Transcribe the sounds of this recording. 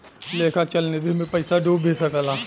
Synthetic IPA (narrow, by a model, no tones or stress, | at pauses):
leːkʰaːt͡ʃəlned̪imẽpəɪsaːɖoːbʱeːsakalaː